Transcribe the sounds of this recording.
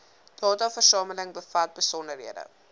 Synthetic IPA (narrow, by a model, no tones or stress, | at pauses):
d̥ɑːtɑfərsɑːmələŋbəfɐt̚bəsɔndərɦiədə̰